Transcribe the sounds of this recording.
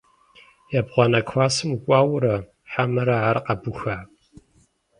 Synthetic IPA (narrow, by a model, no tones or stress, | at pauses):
jabʁʷɔnɐkʷʰwʷaːsɨmukʷʼɑːwɾɐ | ħamɨɾɐʕarqɐbʊxaʕpʼ